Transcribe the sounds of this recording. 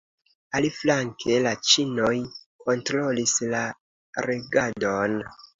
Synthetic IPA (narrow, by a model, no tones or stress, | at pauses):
aliflaŋkʰe̞lat͡ʃino̞jkʰo̞ntɾo̞lisla | ɾeɡado̞n